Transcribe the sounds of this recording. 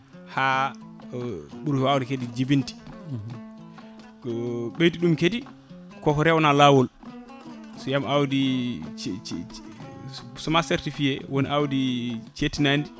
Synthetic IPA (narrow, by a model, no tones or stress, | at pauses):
ha | ɓuɾhawdikedid͡ʒibinti̥ | ɓejtiɗumkedi | kɔkɔɾɛwɔnalawɔl | sɔjamawdi | sɔmaseɾtifiɛwoniʔawdit͡ʃetinandi